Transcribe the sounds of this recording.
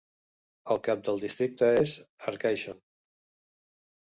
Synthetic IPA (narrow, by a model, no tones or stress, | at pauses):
əlˠkap̚d̪əlˠd̪ist̪ɾik̚t̪əezəɾkajʃo